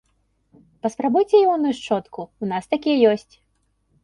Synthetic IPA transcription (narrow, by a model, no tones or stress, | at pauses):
pɐspɾabujt͡sʲɛjimɔnɨjuʂt͡ʂɔt̪kuunast̪akʲijɛjɔsʲt͡sʲ